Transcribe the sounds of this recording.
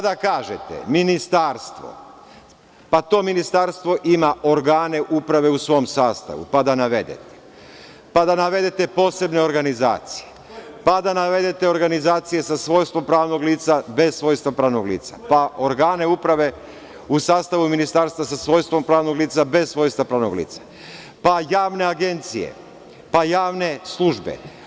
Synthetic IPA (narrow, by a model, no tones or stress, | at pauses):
ad̪akaːʒet̪ḛminist̪aːɾst̪ʋo̞̰ | pat̪o̞ːminist̪aɾst̪ʋo̞ʔimaʔo̞ɾɡaːne̞ʔupɾaʋe̞usʋo̞ːmsaːst̪a̰ʋṵpad̪anaʋe̞̰d̪ḛt̪e̥ | pad̪anaʋe̞d̪e̞t̪e̞po̞ːse̞bne̞o̞ɾɡaniza̰ːt̪si̥je | pad̪anaʋe̞d̪e̞t̪eo̞ɾɡanizaːt̪sije̞sasʋoːjst̪ʋo̞mpɾaːʋnoɡliːt̪sabe̞ssʋo̞ːjst̪ʋapɾaːʋnoɡlḭːt̪sapaoɾɡaːne̞upɾaʋe̞ | usaːst̪aʋuminist̪aːɾst̪ʋasasʋoːjst̪ʋo̞mpɾaːʋnoɡliːt̪sabe̞ssʋo̞jst̪ʋapɾaːʋnoɡlḭːt̪sḁ | pajaːʋne̞aɡe̞nt̪sijḛ | pajaːʋne̞slˠuʒbḛ